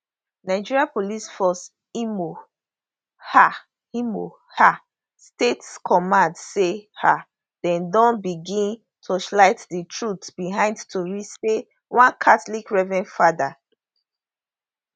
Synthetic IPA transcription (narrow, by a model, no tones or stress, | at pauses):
naɪd͡ʒiɹiapolisfɔs | imo | ha | imo | ha | stetskʰɔmãndseha | d̥ɛ̃ndɔ̃nbiɡĩn | tʰoʃlaɪtditʰɹutbiɦãɪ̃ndtʰoɹise | wãnkʰatlikɹɛvɛ̃nfada